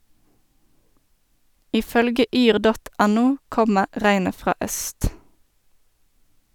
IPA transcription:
ˈiː ˈfœlɡə ˈyːʁ ˈdɔt ˈɛˌnuː ˈkɔmə ˈʁæɪnə ˈfʁɑː ˈœst

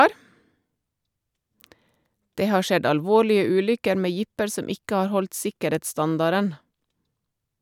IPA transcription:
ˈdeː ˈhɑː ˈʃɛd ɑlˈʋoːɭɪə ˈʉːlʏkəɾ ˈmeː ˈjɪpəɾ ˈsɔm ˈɪkə ˈɑɾ ˈhɔlt ˈsɪkəˌɾeːtsˌstɑndɑɾən

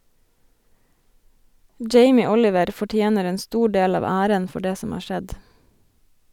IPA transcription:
ˈd͡ʒeɪmɪ ˈɔlɪʋəɾ fɔˈʈjeːnəɾ ˈeːn ˈstuː ˈɖeːl ˈɑːʋ ˈæːɾən ˈfɔ ˈɖeː ˈsɔm ˈɑː ˈʃɛd

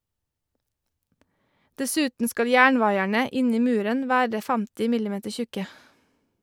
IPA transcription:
dɛˈsʉːtn̩ ˈskɑl ˈjæːɳˌʋɑɪæɳə ˈɪn ˈiː ˈmʉːɾən ˈʋæːɹə ˈfæmtɪ ˈmɪlɪˌmeːtəɹ ˈçʉkə

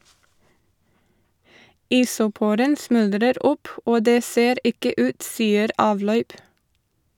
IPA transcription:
ˈɪsʊˌpuːɾən ˈsmʉldɾəɾ ˈʊp ˈoː ˈdeː ˈseːɾ ˈɪkə ˈʉːt ˈsiːəɾ ˈɑːʋˌlœʏp

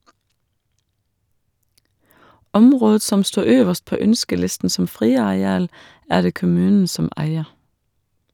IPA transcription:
ˈɔmʁoːd ˈsɔm ˈstuː ˈøːʋəʃt ˈpoː ˈœnskəˌlɪstn̩ sm̩ ˈfʁiːɑɛˌɑːl ˈæː ˈɖeː kʊˈmʉːn̩ ˈsɔm ˈʔæɪə

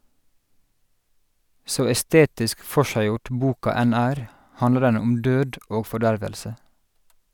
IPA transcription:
ˈsoː ɛˈsteːtɪsk ˈfɔʃæɪˌjʊʈ ˈbuːkɑ ˈæn ˈæːɾ ˈhɑndlə ˈɖɛn ˈʊm ˈdøːd ˈoː fɔˈɖæɹʋəlsə

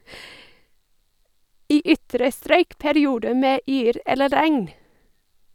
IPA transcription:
ˈiː ˈʏtɾə ˈstɾœʏk pæɾɪˈuːdə ˈmeː ˈyːɾ ˈɛlə ˈɾæŋn

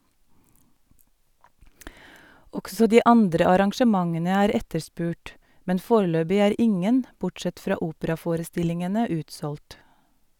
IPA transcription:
ˈɔɡsɔ ˈdiː ˈɑndɾə ɑɾɑŋʃəˈmɑŋənə ˈæːɾ ˈɛtəɾˌspʉːʈ ˈmɛn ˈfoːɾəˌløːbɪ ˈæːɾ ˈɪŋən ˈbʊʈˌsɛt ˈfɾɑː ˈuːpəɾɑˌfoːɾəˌstɪlɪŋənə ˈʉːtsɔlʈ

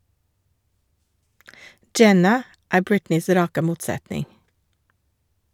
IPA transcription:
ˈd͡ʒɛnɑ ˈæː ˈbɹɪtnɪs ˈɾɑːkə ˈmuːtˌsætnɪŋ

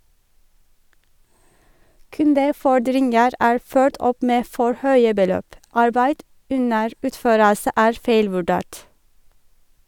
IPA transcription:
ˈkʉndəˌfɔɖɾɪnɡəɾ ˈæːɹ ˈføːʈ ˈɔp ˈmeː ˈfɔɹ ˈhœʏə bəˈløːp ˈɑɹbæɪd ˈʉnəɹ ˈʉːtˌføːɾəsə ˈæːɹ ˈfeɪlʋʉˌɖeːʈ

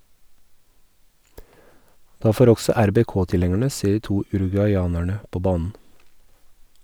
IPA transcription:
ˈdɑː ˈfoːɾ ˈɔɡsɔ æɾbɛˈkoːtɪˌlɛŋəɳə ˈseː ˈiː ˈtuː ʉɾʉɡʉɑɪˈɑːnæɳə ˈpoː ˈbɑːnn̩

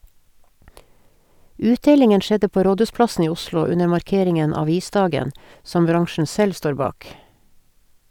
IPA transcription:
ˈʉːtˌdeːlɪŋən ˈʃɛdə ˈpoː ˈɾoːdʉːsplɑsn̩ ˈiː ˈʊslʊ ˈʉnə mɑɾˈkeːɾɪŋən ɑˈʋiːˌsdɑːɡən ˈsɔm ˈbɾɑŋʃɳ̩ ˈsɛl ˈstoːɾ ˈbɑːk

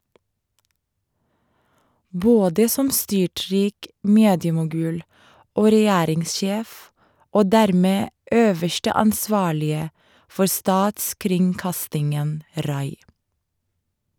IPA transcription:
ˈboːdə ˈsɔm ˈstʏˌʈɹiːk ˈmeːdjəmʊˌɡʉːl ˈoː ɾɛˈjæːɾɪŋsˌʃeːf ˈoː ˈdæɾmeː ˈʔøːʋəʃʈə ɑnˈsʋɑːɭɪə ˈfɔɹ ˈstɑːtskɾɪŋˌkɑstɪŋən ˈɾɑɪ

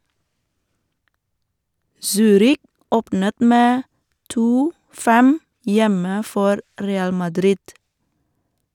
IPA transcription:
ˈsyːɾɪk ˈoːpnət ˈmeː ˈtuː ˈfɛm ˈjɛmə ˈfɔɾ ˈɾeːɑl mɑˈdɾɪd

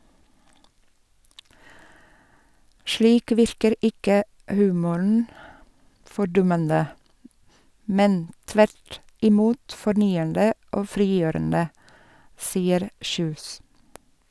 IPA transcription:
ˈʃliːk ˈʋɪɾkəɾ ˈɪkə ˈhʉːmʊɳn̩ fɔɾˈdʊmənə ˈmɛn ˈtʋæɾt ɪˈmuːt fɔɾˈnyːəndə ˈoː ˈfɾiːˌjøːɾəndə ˈsiːəɾ ˈçʉːs

